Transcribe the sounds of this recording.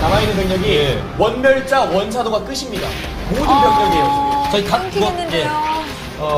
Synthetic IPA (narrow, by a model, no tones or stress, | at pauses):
namainɯnpʌjʌɡi | wʌnbjʌɭt͡ɕ͈awʌns̬ʰadoɡak͈ɯɕʰimɲida̰ | modɯnpjʌt͡ɕ͈ʌɡejʌs͈ɯdat͡ɕʌikak͈uje̞ | ʌ